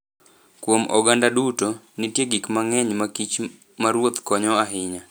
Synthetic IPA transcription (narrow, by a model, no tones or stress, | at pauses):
kwomɔɡandaduto | nɪtjeɡikmaŋɛɲmakit͡ʃ | maɾwot̪kɔɲɔaɦɪɲa